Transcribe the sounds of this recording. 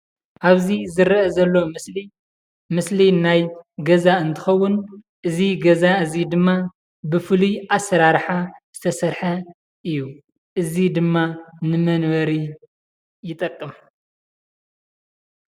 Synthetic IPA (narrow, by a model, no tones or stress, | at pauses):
ʔaβzizɨɾʔɐzɐlːo̞mɨsli | mɨslinajɡɐzaɨnt̪ʰɨxɐwːʊn | ʔɨziɡɐzaɨzid̪ɨmːa | bɨfɨlujʔasɐɾaɾħaz̥ɨt̪ʰɐsɐɾħɐ | ʔɨjːu | ʔɨzid̪ɨmːanɨmɐnβɐɾi | jɪt̪ʼɐkʼːɨm